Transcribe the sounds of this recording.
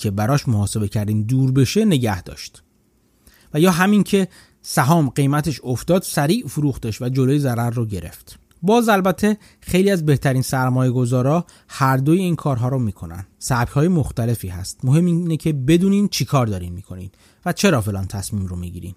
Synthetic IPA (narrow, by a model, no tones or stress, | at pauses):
e̞bæɾɒːʃmohɒːse̞be̞cʰæɾd̪iːnd̪uːɾbe̞ʃe̞ne̞ɟæhd̪ɒ̰ʃt̪ | væjɒːɦæmincʰe̞ | sæɦɒːmɢe̞jmæt̪ʰe̞ʃoft̪ɒːd̪̥sæɾiːʔfuɾuːxt̪eʃvæd͡ʒo̞lojezæɾæɾːoɟe̞ɾe̞̰ft̪ | bɒːzælbæt̪ʰːe̞ | xejliːæzbe̞ht̪ʰæɾiːnsæɾmɒːje̞ɡo̞zɒːɾɒː | hæɾd̪ojeiːnkʰɒːɾɦɒːɾomiːkʰo̞næ̰nd̪sæb̥chɒːjemo̞xt̪æle̞fiːhæ̰st̪moɦe̞mːinecʰe̞be̞d̪uːnint͡ʃʰikʰɒːɾd̪ɒːɾinmiːkʰo̞nḭn | væt͡ʃʰe̞ɾɒːfe̞lɒ̰ːnt̪ʰæsmiːmɾomiɟḭːɾḭːn